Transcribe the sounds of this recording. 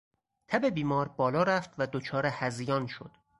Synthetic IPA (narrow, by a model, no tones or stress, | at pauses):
t̪ʰæbe̞biːmɒːɾbɒːlɒːɾæft̪væd̪ot͡ʃʰɒːɾehæzijɒːnʃo̰d̪̥